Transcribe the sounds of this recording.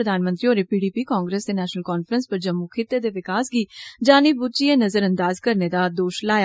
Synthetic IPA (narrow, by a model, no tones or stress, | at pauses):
ɾəd̪aːnmə̃nt̪ɾioːɾepiːɖiːpiːkaːŋɡɾeːsd̪eːnɛːʃnəlkɔːnfʰɾənspəɾd͡ʒəmːukʰɪt̪ːed̪eːʋɪkaːsɡiːd͡ʒaːnibut͡ʃieːnəzəɾə̃nd̪aːzkəɾned̪aːd̪oːʃlaːja